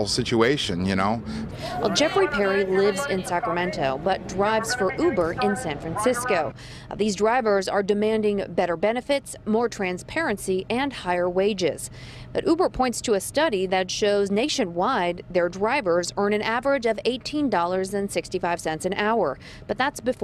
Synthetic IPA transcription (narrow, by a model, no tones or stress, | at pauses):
l̩ˠsɪt͡ʃueɪʃɨ̃njɨñoʊ | wɛ̰lˠd͡ʒɛfɹipʰɛɹilɪvzɪ̃nsækɹəmɛ̃ntʰoʊbʌt̚dɹaɪvz̥fə˞ʔubə˞ɪ̃nsæ̃nfɹæ̃nsɪskoʊ | ðizdɹaɪvə˞zə˞dɨmæ̃ndɪ̃ŋbɛɾə˞bɛnɨfɪtsmɔɹtʰɹ̥æ̃nspʰɛɹɨ̃nsiʔɨ̃nhaɪə˞weɪd͡ʒɪ̰z̥ | b̥ʌɾʔubə˞pʰɔ̃ɪ̃ntstʰɨɨstʌɾiðɨtʃoʊzneɪʃɨ̃nwaɪd̪̚ðə˞dɹaɪvə˞zɜ̃˞ñɨ̃nævə˞ɨd͡ʒʌveɪtʰĩndɔlˠə˞zɨ̃nsɪkstifaɪv̥sɛ̃ntsɨ̃nʔaʊə̰˞ | b̥ʌt̪̚ðætsb̥ɨ